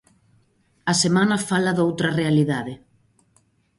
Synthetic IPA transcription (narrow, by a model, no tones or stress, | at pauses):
ɐsemanɐfalɐðowt̪ɾɐrealiðaðɪ